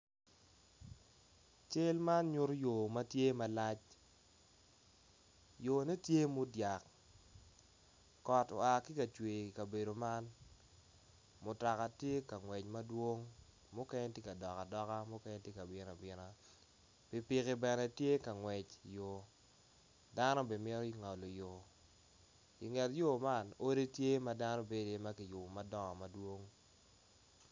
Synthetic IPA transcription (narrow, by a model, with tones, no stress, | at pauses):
t͡ʃɪ˦lma˦nɲʊ˦ɾjo˨ma˦tje˦ma˦la˦t͡ʃ | jo˨ne˦tje˦mʊ˦dja˨k | ɔ˨to̰˨a˨kɪ˦ka˨t͡ʃwe˨ka˨be˨do˨ma˦n | mʊ˨ta˨ka˨tje˦ka˨ŋwɛ˨t͡ʃmɐ˦dwo˦ŋ | mʊ˦kɛ˦ɲe˦tje˦ka˨dɔ˨ka˨dɔ˦ka˦mʊ˦kɛ˦ɲe˦tje˦ka˨bɪ˦na˨bɪ˨na˨ | pɪ˨pɪ˨kɪ˨bɛ˨nɛ˨tje˦ka˨ŋwɛ˨t͡ʃjo˨ | da˦no˦be˨me˦ɾɔ˦i˦ŋa˨lo˨jo˨ | ḭ˨ŋɛ˨tjo˦ma˦no˦ɾe˦tje˦ma˦da˦nɔ˦be˦de˦ma˦ki˨jʊ˨ma˦dɔ˦ŋɔ˨ma˨dwo˦ŋ